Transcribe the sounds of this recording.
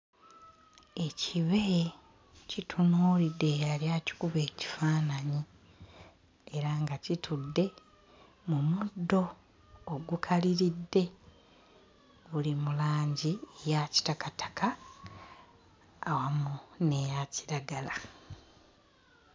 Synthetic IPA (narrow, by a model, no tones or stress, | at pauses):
e̞cʰiβe̞ | citʰunuːlidːe̞aljaːci̥kuβe̞ːci̥faːnaɲi | eɾaŋɡacitʰudːe̞ | mumudːo̞ː | ɡukʰaliɾidːe̞ | βulimulaːɲɟiejaci̥takatʰḁkʰa | wamune̞jaciɾaɡala